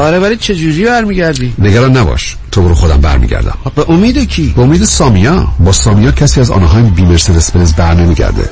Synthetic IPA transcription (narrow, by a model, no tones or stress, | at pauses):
ɒːɾeβæɾiːt͡ʃʰe̞d͡ʒuɾiːbæɾmiɟæɾd̪iːneɡæɾɒːnːæbɒ̰ːʃ | t̪ʰoboɾuxod̪æmbæ̰ɾmḭɡɟæ̰ɾd̪æ̰mbeʔomiːd̪ecʰiːbeomiːd̪esɒːmijɒbɒːsɒːmijɒːcʰæsiːæzɒ̰ːnɒɦɒːjibiːmeɾsed̪espeezbæɾne̞miːɟæ̰ɾd̪ḛ